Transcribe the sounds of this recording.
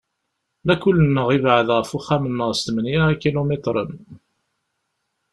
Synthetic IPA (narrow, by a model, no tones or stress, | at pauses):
lækʊlːənːəʁivʕəðʁəfuχæmənːəʁst̪mənjaʁakilomet̪ɾˤə̰n